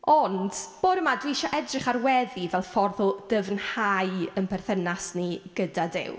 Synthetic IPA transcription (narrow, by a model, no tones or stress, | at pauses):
ɔnd̥b̥oːdəmadwiʃɔʔɛdrɪχarwɛðivɛlˠfɔrðɔd̥əvnhajənpʰɛrθənasniɡ̥ədadɪ̰w